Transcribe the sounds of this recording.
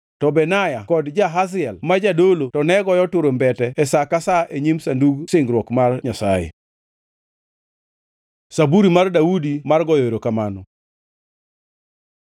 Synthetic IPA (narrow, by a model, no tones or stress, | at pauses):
tɔbɛnajakɔdd͡ʒaɦas̬ɪɛlmad͡ʒadolotɔnɛɡɔjɔtʊɾombɛtɛɛsakasaeɲimsanduɡsɪŋɡɾwɔkmarɲasajḛ | sabuɾimardaudimarɡɔjeɾokamanɔ